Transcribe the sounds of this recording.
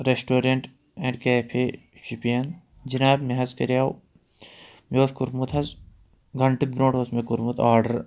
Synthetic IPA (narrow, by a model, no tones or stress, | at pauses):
ɾesʈoːɾeɳʈ | ẽːɳɖkeːpʰeː | ʃipijɐn | d͡ʒinaːbmeɦɐzkɐɾjaːw | mjoːt̪kuɾmut̪ʰɐz | ɡʱɐɳʈik̚ɡɾõːɳʈosmekuɾmut̪ʰaːɾɖɐɾ